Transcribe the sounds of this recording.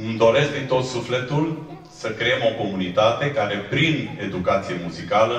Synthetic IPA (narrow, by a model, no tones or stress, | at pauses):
ɨmd̪o̞ɾesk̚d̪int̪o̞t̪sufle̞t̪ul | səkɾeemo̞ko̞munit̪at̪e̞kaɾe̞pɾine̞d̪ukat̪sie̞muzikalə